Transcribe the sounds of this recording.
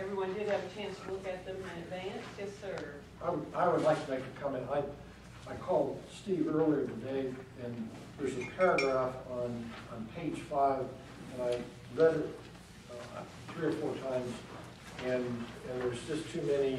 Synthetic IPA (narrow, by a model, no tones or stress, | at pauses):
ɛvɹiwʌ̃ndɨd̚ɨvɨt͡ʃʰæ̃nstʰəlʊkɨt̪̚ðɨ̃m̃nɨdvæ̃nsɨsə˞ | aɪwaɪwədˡlaɪk̚tʰɨðɛɪkʰɨ̥kʰʌ̃mɨ̃naɪ | aɪkʰɔlˠd̥stivɜ˞lˠiʌvðədeɪɨ̃n | ðə˞zɨpʰɛɹəɡɹæfñ̩ | n̩pʰeɪd̥ʒ̥faɪv | ðɨɾaɪ | lɛɾɨt̚ | θɹiə˞fɔɹtʰãɪ̃mz | ɨ̃ñðəzd͡ʒʌstʰʉmɛni